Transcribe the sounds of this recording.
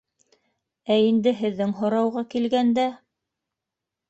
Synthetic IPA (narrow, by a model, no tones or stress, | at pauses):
æind̪ɘɦɘ̆ðːɘŋɦŏɾɑwʁɑkilɡænd̪æ